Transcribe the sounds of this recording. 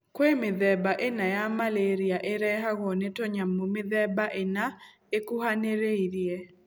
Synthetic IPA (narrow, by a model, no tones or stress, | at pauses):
kwemɪðɛbaʔenajamaleɾiaʔeɾɛɦaɣɔnetɔɲamːomɪðɛbaʔena | ekuhaneɾeiɾie